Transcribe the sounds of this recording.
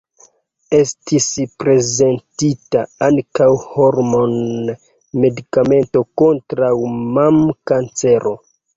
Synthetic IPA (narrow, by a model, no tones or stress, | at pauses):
e̞stʰispɾe̞ze̞ntitaaŋkawhoɾmo̞n | me̞dikame̞nto̞ko̞ntɾawmamkant͡se̞ɾʔo̞